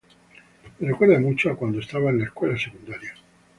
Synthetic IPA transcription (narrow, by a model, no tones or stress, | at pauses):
merekweɾd̪amut͡ʃakwand̪oest̪aβaenlaeskwelasekund̪aɾja